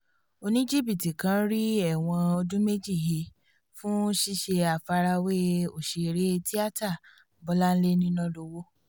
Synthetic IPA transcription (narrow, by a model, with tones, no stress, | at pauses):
o˧nĩ˦d͡ʒi˦˨bi˦˨ti˨kã˨˦ɾi˦ɛ˦˨w̃ɔ̃˧o˧d͡ʒũ˦me˦d͡ʒi˦˨ɦe˧˨ | fũ˦ʃi˦ʃe˧a˨fa˧ɾa˧we˦o˨ʃe˨ɾe˨˦˧ti˦a˦˨ta˦˨ | bɔ˨˦la˦n̩˦le˦nĩ˦nɔ̃˦lo˧wo˦